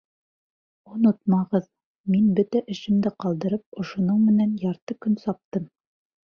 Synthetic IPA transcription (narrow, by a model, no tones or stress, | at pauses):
ŏnot̪mɑʁɤð | minbɵt̪æʔɘ̆ʃɘ̆md̪ɘqɑlˠd̪ɤ̆ɾɤp̚ŏʃŏnɤɴmɘ̆nænjɑɾt̪ɤkɵnsɑp̚t̪ɤm